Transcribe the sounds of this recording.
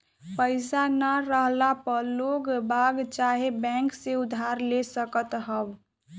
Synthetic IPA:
pəɪsanaɾəɦlapəloɡbaɡt͡ʃaɦebɛ̃ŋkseʊd̪ʱːaɾlesəkət̪ɦəb

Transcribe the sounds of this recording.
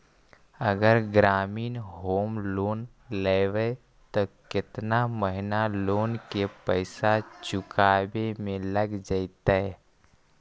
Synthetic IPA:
əɡəɾɡɾaːmiːnɦoːmloːn | leːʋə | t̪ok̪ɪt̪naməɦɪnaloːnkepəɪsat͡ʃʊkaːbemẽləɡd͡ʒait̪aɛ

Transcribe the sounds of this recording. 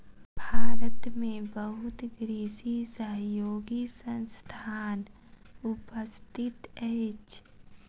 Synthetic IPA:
bʱaːɾət̪mẽbəɦʊt̪ɡɾiːsisəɦjoːɡisə̃nst̪ʰaːn | ʊpəst̪ʰɪt̪ɛɪt͡ʃ

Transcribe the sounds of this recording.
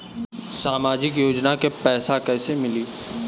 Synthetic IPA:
saːmaːd͡ʒɪkjoːd͡ʒnakepɛːsakɛːsemɪliː

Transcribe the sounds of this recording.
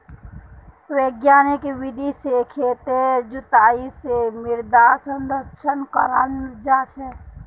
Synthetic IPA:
ʋeːɡjaːnɪkʋɪd̪ʱisekʰeːt̪ed͡ʒʊt̪aːisemɪɾd̪aːsə̃nd̪ət͡ʃʰənkəɾaːnɾd͡ʒaːt͡ʃʰɛː

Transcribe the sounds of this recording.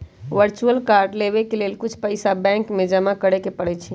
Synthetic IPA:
ʋəɾt͡ʃuəlkaɾɖleβekelelkʊt͡ʃʰpəɪsabɛ̃ŋkmẽd͡ʒəmakəɽekepəɽɛt͡ʃʰi

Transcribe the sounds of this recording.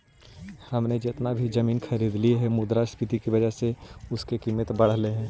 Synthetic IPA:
hɐmned͡ʒɪt̪nabʱid͡ʒɐmiːnxʰɐɾiːd̪liɦɛmʊd̪ɾaspɪt̪ikiʋɐd͡ʒəɦseʊskekiːmət̪bɐɽleɦɛ̃ː

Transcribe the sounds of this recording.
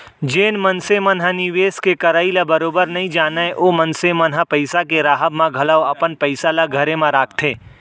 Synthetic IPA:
d͡ʒeːnmɐnsemɐnɦanɪʋeːskekɐɾaːilabɐɾoːbəɾnɐɦĩd͡ʒaːnaẽʔoːmɐnsemɐnɦapɐɪsakeɾaːɦəbmãɡʱɐlaoɐpənpɐɪsalaɡʱɐɾemãɾaːk̚ʰt̪ʰeː

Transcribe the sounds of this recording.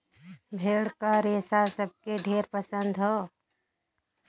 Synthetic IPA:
bʱeːɽkaɾeːsasəb̚keɖʱeːɾpəsə̃nd̪ɦɔː

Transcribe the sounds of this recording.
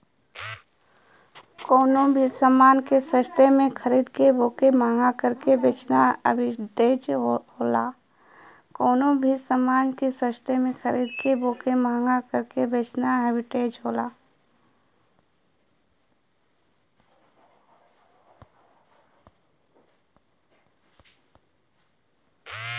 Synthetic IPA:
koːnõbʱisəmaːnkesəʃt̪emẽkʰəɾiːd̪keboːkemaːŋɡakəɾkebeːt͡ʃnaəbɪʈeːd͡ʒoɦoːla̰ː | koːnõbʱisəmaːnkesəʃt̪emẽkʰəɾiːd̪keboːkemaːŋɡakəɾkebeːt͡ʃnaɦebɪʈeːd͡ʒɦoːlaː

